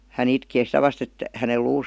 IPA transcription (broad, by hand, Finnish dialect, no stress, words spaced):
hæn itkeː sitæ ʋɑst et hæne luːs